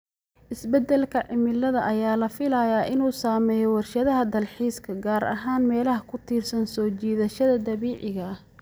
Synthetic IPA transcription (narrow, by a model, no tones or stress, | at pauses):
ʔɪsbɛd̪ɛlkʰɐʕɪmɪlɐðɐʔɐjaːlɐfɪlɐjaːʔɪnuːsaːmɛːjɔwɑrʃɐðɐɦɐd̪ɐlħiːskʰɐɡaːɾɐ̰ɦaːnmɛːlɐɦɐkʰʊt̪ʰiːrsɐnsɔːt͡ʃiːðɐʃɐðɐd̪ɐβiːʕɪɣɐ